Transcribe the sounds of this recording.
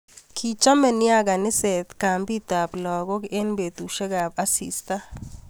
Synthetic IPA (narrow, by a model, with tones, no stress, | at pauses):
kʰi˨t͡ʃa˦mɛ˨ni˦a˦ɡa˨nɪ˦se˨t̪ka˨mbi˦t̪a˨pla˨ɡɔ˦ke˦nbe˨t̪u˨ʃɛ˦ɡa˨ba˦sḭ˨st̪a˦